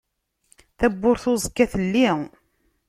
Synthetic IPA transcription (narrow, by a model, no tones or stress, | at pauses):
θæbːʊɾθʊzˤəkːæθəlːi